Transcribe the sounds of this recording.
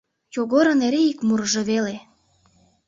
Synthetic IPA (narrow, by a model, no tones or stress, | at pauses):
joɣoɾə̆neɾeikmuɾʒeβele